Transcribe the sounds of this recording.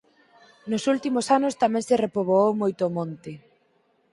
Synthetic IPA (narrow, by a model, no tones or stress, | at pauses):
nʊsult̪imosanʊst̪amɛ̃ŋserepoβoowmojt̪oːmõnt̪ɪ